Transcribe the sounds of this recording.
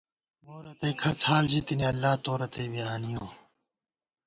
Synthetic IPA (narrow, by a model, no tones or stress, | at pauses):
moːɾɐt̪eːkʰɐt͡sʰhaːld͡ʑit̪iniɐlːaːt̪oːɾɐt̪eːbiaːnijoː